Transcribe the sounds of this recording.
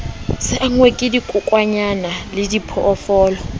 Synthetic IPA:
sɪʔaŋwekʼɪdikʼʊkʼwaɲanalɪdipʰɔʔːfɔːlɔ

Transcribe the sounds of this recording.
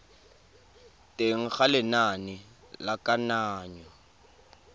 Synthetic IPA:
tʼeŋ̩χalɪnanɪ | lakʼanaːɲɔ

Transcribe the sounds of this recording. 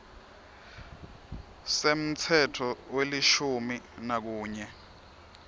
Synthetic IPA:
sem̩t͡sʰɛtʰɔweliʃuminak̬uːɲɛ

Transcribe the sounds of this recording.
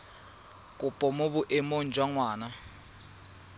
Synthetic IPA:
kʼupʼɔmʊbʊʔɛmon̩d͡ʒʱwaŋwaːna

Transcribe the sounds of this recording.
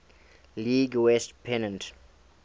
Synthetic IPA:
liɡwɛstpʰɛnə̃nt

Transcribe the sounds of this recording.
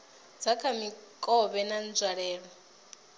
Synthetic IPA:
d͡zakʰamikʼɔβɛnand͡zwaɺɛːɺɔ

